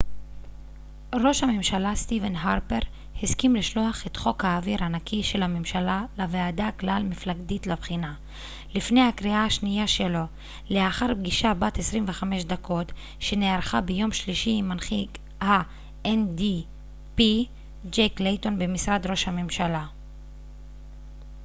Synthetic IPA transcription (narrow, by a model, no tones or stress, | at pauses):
ʁo̞ʃhamemʃalast̪ivenɦaʁpeʁ | hizkimliʃlo̞aχet̪χo̞khaːviɾanakʰiʃe̞lhamemʃalalaveadaklalmiflaɡditlabχina | lifne̞jhakʁiahaʃnijaʃelo̞ | le̞aχaʁbɡiʃabatesʁimveχame̞ʃdakʰo̞t | ʃe̞neaʁχabejo̞mʃliʃiːmanχik | ha | endi | pi | d͡ʒejkleto̞nbemisʁad̪ʁo̞ʃhamemʃala